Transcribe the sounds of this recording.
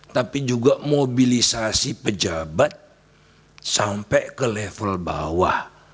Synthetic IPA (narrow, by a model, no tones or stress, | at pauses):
t̪apid͡ʒuɡaʔmobilisasipəd͡ʒabat̪̚ | sampɛkəlɛfəlba̰wah